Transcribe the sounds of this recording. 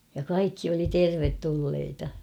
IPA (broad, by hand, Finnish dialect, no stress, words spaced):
jɑ kɑikːi oli terʋetːulːeitɑ